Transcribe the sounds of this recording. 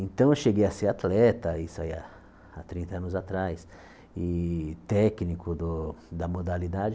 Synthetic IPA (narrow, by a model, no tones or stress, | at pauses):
ẽnt̪ɐ̃w̃ewʃeɡejɐseat̪lɛt̪ɐisaia | at̪ɾĩnt̪ɐɐ̃nʊzat̪ɾajs | ɪt̪ɛknikʊd̪ʊd̪ɐmod̪alid̪ad͡ʒɪ